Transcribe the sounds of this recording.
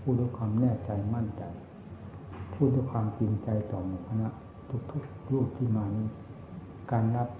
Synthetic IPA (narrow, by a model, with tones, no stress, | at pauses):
pʰuː˥˩du˧˥˩jkʰwaː˧mnɛː˥˩t͡ɕa˧jma˥˩nt͡ɕa˨˧j | pʰuː˥˩t̪̚duː˥˩˨jkʰwaː˧mt͡ɕi˧nt͡ɕa˧jt̪ɔː˨˩mu˧˩kʰa˧na˧˥ʔ | t̪ʰu˦˥k̚t̪ʰu˦˥k̚ɾuː˥˩k̚t̪ʰiː˥˩maː˧niː˧˥˨ | kaː˧nla˦˥p̚